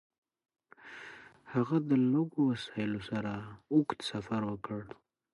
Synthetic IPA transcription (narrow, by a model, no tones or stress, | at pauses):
haɣad̪əloɡowasaɪlosaɾaʊkt̪safaɾwəkəɽ